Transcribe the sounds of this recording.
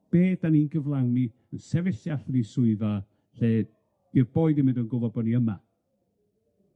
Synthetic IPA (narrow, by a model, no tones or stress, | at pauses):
b̥eːdaninɡəvlˠawni | ənsɛvɪsjaɬnisʊɨða | ɬeːd | irboːɨðimɪndənɡʊvɔbɔniəma